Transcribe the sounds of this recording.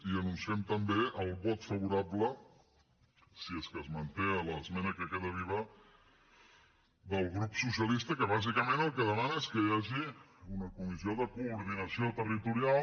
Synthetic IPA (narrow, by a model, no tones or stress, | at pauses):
iənunsiɛmt̪əmbeʔəlˠβɔt̪fəβuɾablə | sieskəzmənt̪eələzmɛnəkəkeðəβ̞iβə | ðəlˠɣɾupsusiəlist̪əkəβ̞azikəmẽnəlˠkəðəmanəeskəjaʒiunəkumizioðəkuːɾðinəsiot̪ərit̪uɾial